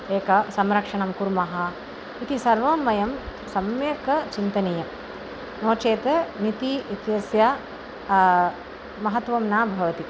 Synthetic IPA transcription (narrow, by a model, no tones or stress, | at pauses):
eːkɐsɐmɾɐkʂɐɳɐmkuɾmɐɦɐ | it̪isɐɾʋɐmːɐjɐm | sɐmjeːkɐt͡ʃint̪ɐnijɐm | noːt͡ʃeːt̪ɐnit̪iit̪jɐsja | mɐɦɐt̪ʋɐmnaːbʱɐʋɐt̪i